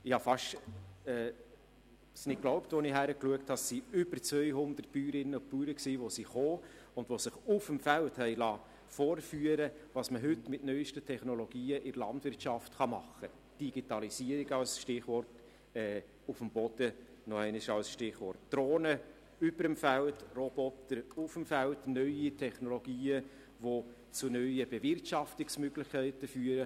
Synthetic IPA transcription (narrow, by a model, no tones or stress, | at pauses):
ɪhɑfɑʃɛː | snɪk̚klɔʊptʋɔnɪɦæɾəkluəkthɑsiʏb̥əɾt͡sʋœʏɦʊnd̪ərt̚pyːɾɪnəʊpyːɾəksiːʋosiχoː | ʊnd̥vʋosɪχʊfəmfælthɛɪlɑː | foːɾfyːəɾəʋɑːsməɦʏtmɪtnœʏʃtətʰɛχnɔloɡ̥iːəʔɪɾlɑ̰ndʋɪɾtʃɑftχɑmɑχːə | d̥iɡ̥itɑlisiəɾɪɡɑlsʃtɪχʋɔrt | ɛː | ʊfəmbɔd̥ə | nɔɛɪnɪʃɑlsʃtɪχʋɔrtd̥ɾoːnə | ʏbəɾəmfæltrob̥ɔtəɾʊfəmfæltnœʏitʰɛχnoloɡiːə | ʋo | t͡sʊnœʏəbevɪrtʃɑftɪksmøɡ̥lɪχkʰæɪtəfyːəɾə